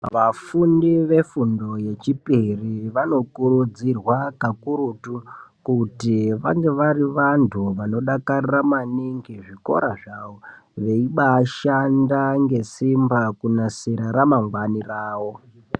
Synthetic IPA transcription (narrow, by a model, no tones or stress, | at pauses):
ʋafundiʋe̞fundo̞je̞t͡ʃipiriʋano̞kuɾud͡zirwakakuɾutukutiʋaŋɡe̞ʋariʋantʰuʋano̞ɗakariramaniŋɡiʐiko̞̰ɾaʐawo | ʋe̞iɓaːʃandaŋɡe̞simbakunasiɾaɾamaŋɡwaniraːwo̞